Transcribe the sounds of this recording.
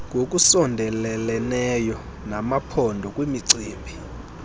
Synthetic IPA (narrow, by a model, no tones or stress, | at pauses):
ŋɡʱok̬ʼusɔndʱɛlɛlɛnɛjɔ | namapʰɔndʱɔkʼwimiǀiːmbʱi